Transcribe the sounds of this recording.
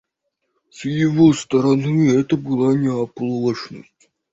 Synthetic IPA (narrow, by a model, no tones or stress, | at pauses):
sjɪvost̪ɐɾɐnɨɛt̪əbɨlˠanʲɪɐplˠəʂnə̰sʲtʲ